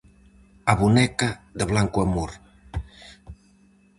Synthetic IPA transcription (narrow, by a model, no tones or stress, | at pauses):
aβunɛkaðəβlaŋkuamuɾ